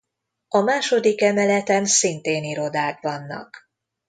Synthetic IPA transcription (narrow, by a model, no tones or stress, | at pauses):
ɒmaːʃo̞d̪ikɛmɛlɛt̪ɛnsint̪eːniɾo̞d̪aːkvɒnːɒ̰k